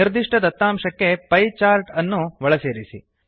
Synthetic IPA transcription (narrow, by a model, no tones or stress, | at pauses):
iɾd̪iʂʈɐd̪ɐt̪ːaːmʂɐkːe̞pɐjt͡ʃaːɾʈɐnːuʋɐɭɐseːɾisḭ